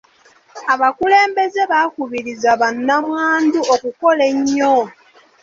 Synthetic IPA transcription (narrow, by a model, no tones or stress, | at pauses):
aβakule̞ːmbe̞ze̞βakuβiɾizaβanːamwaːnduokuko̞le̞ɲːo